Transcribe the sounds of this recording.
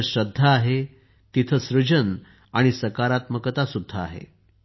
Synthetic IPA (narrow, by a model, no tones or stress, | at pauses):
ɕɾəd̪ʱːəaɦe | t̪it̪ʰəsɾud͡ʑən | aɽ̃isəkaɾat̪məkət̪asud̪ʱːaa̰ɦḛ